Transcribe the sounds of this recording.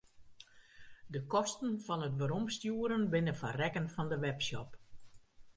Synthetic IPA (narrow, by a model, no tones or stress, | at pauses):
dəkɔstənfɔnətʋəɾɔmstjuːəɾənbɪnəfa̰rɛkənfɔndəʋɛpsɔp